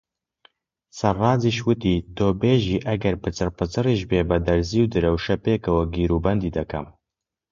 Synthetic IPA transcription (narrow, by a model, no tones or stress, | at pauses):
sɐrrɑːziːʃwɨt̪iːd̪oːbeːʒiːʔɐɡɛɾpɨt͡sɨrpɨt͡sɨriːʒbeːbɛd̪ɐɾziːwd̪ɨɾɛwʃɛpeːkɐwɐɡiːɾuːbɛnd̪iːd̪ɛkʰɐ̰m